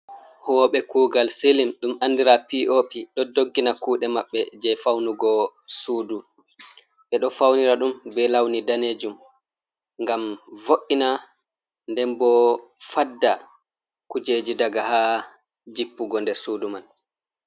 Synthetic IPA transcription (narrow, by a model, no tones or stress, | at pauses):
hɔːɓɛkuːɡalselimɗumandiɾapiʔopiɗɔdoɡːinakuːɗɛmaɓːɛd͡ʒɛjfawnuɡɔsuːdu | ɓɛɗɔfawniɾaɗumbɛlawnidaned͡ʒum | ŋɡamvoʔːina | ndɛmbɔfadːa | kud͡ʒeːd͡ʒidaɡaha | d͡ʒipːuɡɔndɛɾsuːduman